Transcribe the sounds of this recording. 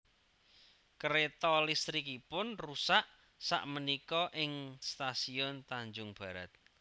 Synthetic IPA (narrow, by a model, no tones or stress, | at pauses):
kəɾet̪ɔlist̪ɾikipʊnrusaʔ | sa̰ʔmənikɔʔɪŋst̪asiɔnt̪aɲd͡ʒʊŋb̥ä̤ɾa̰t̪̚